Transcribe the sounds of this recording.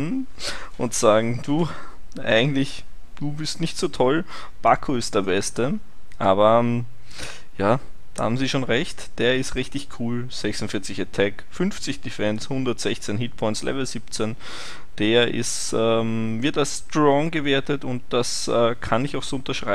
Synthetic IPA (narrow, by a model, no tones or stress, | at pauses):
ʔʊntz̥aːɡŋ̩d̥uː | ʔa̰ɪɡŋ̩tlɪç | d̥uːbɪstnɪçtz̥oːtʰɔl | b̥akʰuɪst̚d̥eːɐbɛstə | ʔaːβɐ | jaːd̥aːhaːbm̩ziːʃoːnʁɛçtd̥eːɐɪstʁɪçtɪçkʰuːl | z̥ɛçsʊntfɪɐt͡sɪçatʰɛkfʏnft͡sɪçd̥ifɛnshʊndɐtz̥ɛçt͡senɦiːt̚pʰɔʏntslʔɛ̰vl̩ziːp̚t͡sən | d̥eːɐʔɪ̰stɛːmvɪɐtalsstʁɔŋɡəveːɐtətʊnt̚d̥as | ɛːkʰanɪçaʊxz̥oːʊntɐʃʁ̥aɪ